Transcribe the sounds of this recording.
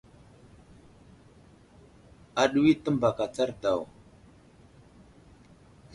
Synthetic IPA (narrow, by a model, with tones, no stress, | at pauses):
a˨ɗu˦wi˦tə˦mba˨ka˨t͡sa˦ɾta˨w